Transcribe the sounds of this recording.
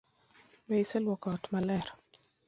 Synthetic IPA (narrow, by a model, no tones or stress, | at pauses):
mɛisɛlwɔkɔtmalɛɾ